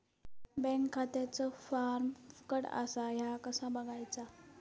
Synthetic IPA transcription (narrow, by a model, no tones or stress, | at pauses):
bɛ̃ŋkʰːat̪jat͡səfaɾmkəɽa̰saɦjakəsãbəɡʱajt͡sa